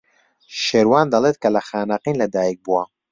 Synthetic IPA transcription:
ʃeːɾwaːnd̪ɐlˠeːt̪̚kʰɐlɐxaːnaqiːnlɐd̪aːjik̚buwa

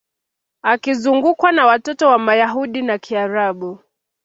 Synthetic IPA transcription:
akizuŋɡukwanawatɔtɔwamajaɦuɗinakiaɾaɓu

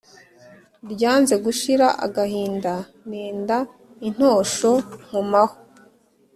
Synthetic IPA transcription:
ɾɟaːnze̞ɡuʃiɾaʔa̰ɡahiːnda | neːnda | in̥ho̞ːʃo̞ŋ̥umaho

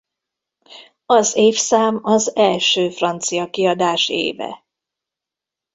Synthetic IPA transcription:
ɒzeːfsaːmɒzɛlʃøːfrɒnt̪sijɒkiɒd̪aːʃḛːvɛ̰

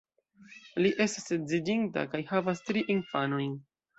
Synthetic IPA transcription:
liʔe̞stased͡zid͡ʒinta̰kajhavastɾiʔinfanojn

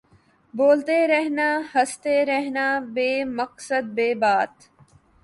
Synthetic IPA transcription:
boːlt̪eɾeɦnaːhɐst̪eɾeɦnaːbeːməksəd̪̚beːbaːt̪

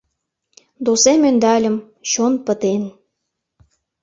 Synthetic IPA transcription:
d̪osemønd̪ɑlʲə̆m | ɕonpə̆t̪en

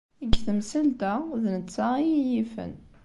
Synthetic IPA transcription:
iɡθəmsælt̪æðnət͡sːaijijifə̰n

